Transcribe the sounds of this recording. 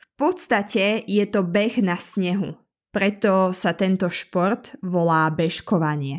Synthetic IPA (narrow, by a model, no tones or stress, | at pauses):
fpɔt̪st̪acɛjɛt̪ɔbɛɣnasɲɛɦu | pɾɛt̪ɔsat̪ɛnt̪ɔʃpɔɾt̪ʋɔlaːbɛʃkɔʋaɲɪɛ